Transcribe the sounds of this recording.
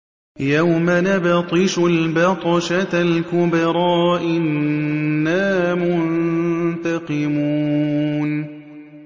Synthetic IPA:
jawmanabɪt̪ˤɨʃʊlbɑt̪ˤɑʃalkʊbɾˤɑːʔɪnː | aːmʊnnt̪ɑqɨmu | n

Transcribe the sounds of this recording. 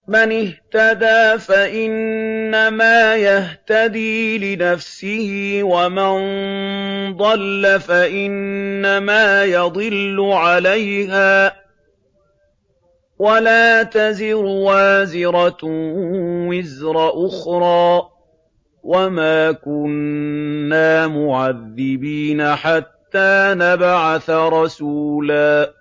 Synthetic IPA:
manɪht̪ad̪aːfaʔɪnːamaːjaht̪ad̪iːlɪnafsɪhɪwaman | d̪ˤɑlːafaʔɪnːamaːjɑd̪ˤɨlːʊʕalajɦaː | walaːt̪azɪɾʊwaːzɪɾɑ | wɪzɾˤɑʔʊxɾˤɑː | wʔamaːkʊnː | aːmʊʕaðːɪbiːnaħat̪ːaːnabaʕaθaɾˤɑsuːlaː

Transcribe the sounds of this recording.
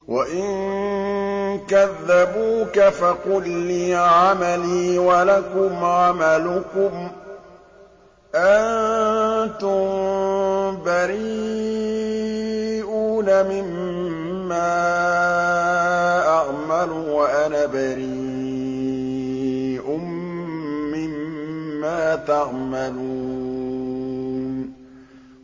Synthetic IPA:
waʔɪŋ | kaðːabuːkafaqʊlːiːʕamaliːwalakʊmʕamalʊkʊm | ʔan | t̪ʊm | baɾi | ʔuːnamɪmː | aː | ʔaʔmalʊwaʔanabaɾi | ʔʊmː | ɪmːaːt̪aʔmalu | n

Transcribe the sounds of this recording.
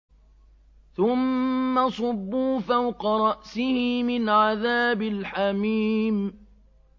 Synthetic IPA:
θʊmːasˤɑbːuːfawqɑɾˤɑʔsɪhɪmɪnʕaðaːbɪlħamiːm

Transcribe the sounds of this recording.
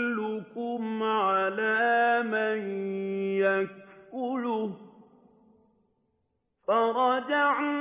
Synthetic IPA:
lukumaʕalamajjakulu | faɾɑd͡ʒa

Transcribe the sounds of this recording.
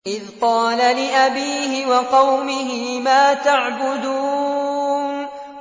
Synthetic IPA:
ʔɪðqɑːlalɪʔabiːhɪwɑqɑwmɪɦɪmaːt̪aʕbʊd̪uː | nn

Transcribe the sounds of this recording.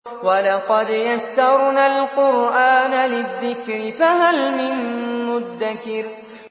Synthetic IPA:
walɑqɑd̪jasːɑɾˤnaːlqʊɾʔaːnalɪðːɪkɾɪfaɦalmɪnːʊðːakɪɾ

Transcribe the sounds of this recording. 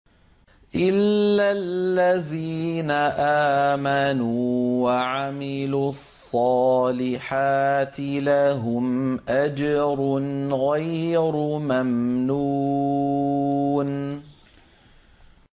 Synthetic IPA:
ʔɪlːalːaðiːnaʔaːmanuːwaʕamɪluːɑsˤːɑːlɪħaːt̪ɪlaɦʊmʔad͡ʒɑɾˤʊnɣajɾʊmamnu | n

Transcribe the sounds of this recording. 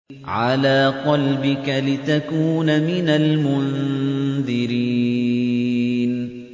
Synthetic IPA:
ʕalaːqɑlbɪkalɪt̪akuːnamɪnalmʊnðɪɾiː | n

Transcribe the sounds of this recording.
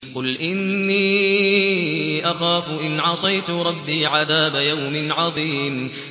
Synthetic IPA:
qʊlʔɪnːiː | ʔaxaːfʊʔɪnʕɑsˤɑjt̪ʊɾˤɑbːiːʕaðaːbajawmɪʕɑðˤiːm

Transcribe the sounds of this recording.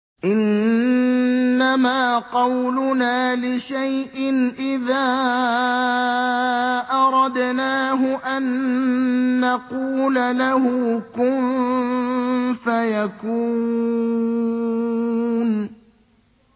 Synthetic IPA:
ʔɪn | amaːqɑwlʊnaːlɪʃajʔɪnʔɪðaː | ʔɑɾˤɑd̪naːɦʊʔanː | aquːlalahʊkʊm | fajaku | n

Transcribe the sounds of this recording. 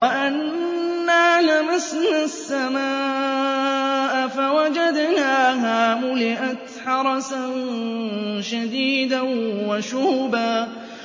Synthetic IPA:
waʔanː | aːlamasnasːamaːʔ | ʔafawad͡ʒad̪naːɦaːmʊlɪʔat̪ħɑɾˤɑsann | ʃad̪iːd̪anwaʃʊhbaː

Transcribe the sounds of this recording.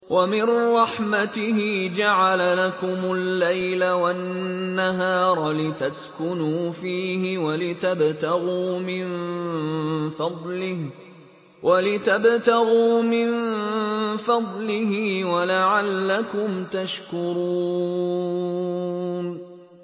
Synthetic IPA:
wamɪnɾˤɑħmat̪ɪhɪd͡ʒaʕalalakʊmʊlːajlawanːaɦɑːɾˤlɪt̪askʊnuːfiːhɪwalɪt̪abt̪aɣuːmɪn | fɑd̪ˤlɪh | walɪt̪abt̪aɣuːmɪn | fɑd̪ˤlɪhɪːwalaʕalːakʊmt̪aʃkʊɾuː | n

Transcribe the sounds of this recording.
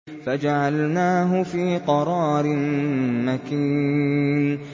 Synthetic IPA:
fad͡ʒaʕalnaːɦʊfiːqɑɾˤɑːɾɪnmakiːn

